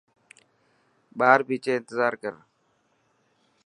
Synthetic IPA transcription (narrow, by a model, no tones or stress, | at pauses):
baːɾbiːt͡ʃeɪnt̪ɪzaːɾkəɾ